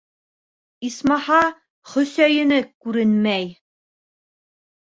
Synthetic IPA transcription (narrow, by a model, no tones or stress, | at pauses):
ismɑhɑ | χɵ̆sæjɘ̆nɘkʉɾɘnmæj